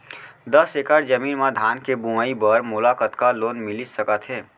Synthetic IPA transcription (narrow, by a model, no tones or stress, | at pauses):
d̪əsekəɽd͡ʒəmiːnmãd̪ʱaːnkebumaibəɾmʊlaːkət̪kaloːnmɪlisəkət̪ɦeː